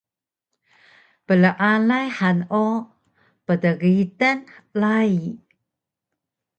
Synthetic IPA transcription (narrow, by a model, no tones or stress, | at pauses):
pələʔalajħanu | pədəɡitənlai